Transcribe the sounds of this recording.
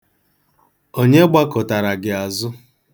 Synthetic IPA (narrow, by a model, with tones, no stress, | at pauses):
o˦ɲe˦ɡ͡ba˦kʊ˨ta˨ɾa˨ɡɪ˨a˨zʊ˦